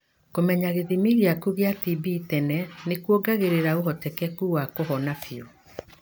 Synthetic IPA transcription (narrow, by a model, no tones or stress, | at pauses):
komɛɲaɣeðimiɣiakuɣeatibitɛnɛnekwoɡaɣeɾeɾaoɦɔtɛkɛkuwakoɦɔnapiɔ